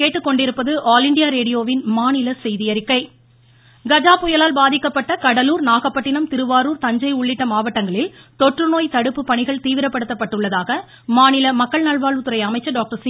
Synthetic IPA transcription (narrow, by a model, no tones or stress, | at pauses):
keːʈːɯkːɔɳɖɪɾɯpːɐðɯʔaːlɪɳɖɪjaːɾeːɽɪjoːʋɪnmaːnɪlɐsɛjðɪjɐɾɪkːɐɪ | ɡɐd͡ʒaːpʊjɐlaːlbaːðɪkːɐpːɐʈːɐkɐɽɐluːɾnaːɣɐpːɐʈːɪnɐmt̪ɪɾɯʋaːɾuːɾt̪ɐɲd͡ʒɐɪʊɭːɪʈːɐmaːʋɐʈːɐŋɡɐɭɪlt̪ɔʈrɯnoːjt̪ɐɽɯpːɯpːɐɳɪɣɐɭt̪iːʋɪɾɐpːɐɽɯt̪ːɐpːɐʈːɯɭːɐðaːɣɐ | maːnɪlɐmɐkːɐɭnɐɭʋaːɭʋɯt̪ːɯɾɐɪɐmɐɪt͡ʃːɐɖaːk̚ʈɐɾs